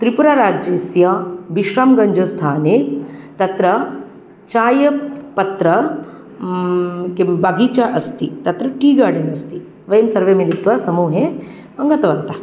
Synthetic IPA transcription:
t̪ɾipuɾaːɾaːd͡ʒeːsjɐbiʃɾaːmɡɐɲd͡ʒoːst̪ʰaːnet̪ɐt̪ɾɐ | t͡ʃaːjɐpɐt̪ɾɐ | kebɐɡiːt͡ʃaʔɐst̪it̪ɐt̪ɾɐʈiːɡaːɖinɐst̪i | ʋɐjɐmsɐɾʋeːmilit̪ʋɐsɐmuːɦe | ɐŋɡɐt̪ɐʋɐnt̪ːɐ

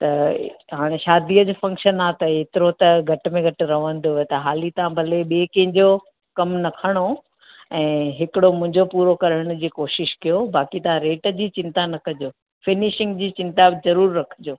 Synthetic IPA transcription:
t̪ɐɦaːɽ̃eʃaːd̪ʱiːəd͡ʑfɐ̃ŋkʃənat̪ɐeːt̪ɪɾot̪ɐɡʱɐʈmẽɡʱɐʈɾɐʋə̃n̆d̪oet̪ɐɦaːlit̪ɐãbʱɐleɓeːkɐ̃ɦɪ̃ɲd͡ʑo | kɐmnɐkʰəɽ̃o | ɛ̃ːɦɪkɪɽomʊ̃ɦɪ̃ɲd͡ʑopuːɾokɐɾəɽ̃d͡ʑiːkoːʃɪʃkijobaːkit̪ɐɦãɾeːʈəd͡ʑiːt͡ɕɪ̃nt̪anɐkʰɐd͡ʑoː | fɪnɪʃɪ̃ŋɡd͡ʑiːt͡ɕɪ̃nt̪azɐɾuːɾːɐkʰd͡ʑoː

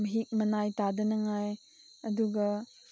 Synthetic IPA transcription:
məɦik̚mɐnajtadɐnɐŋaj | ɐduɡɐ

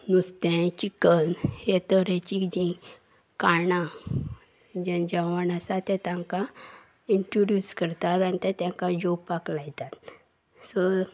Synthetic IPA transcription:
nust̪ɛ̃t͡ɕikənhet̪əɾɛ̃t͡ɕikd͡ʑĩ | kana | d͡ʑɛ̃nd͡ʑaʋanasat̪ɛ̃t̪ãŋka | iɳʈɾoɖjuskəɾt̪at̪anit̪ɛt̪ãŋkãd͡ʑobpːaklajt̪at̪ | sɔ

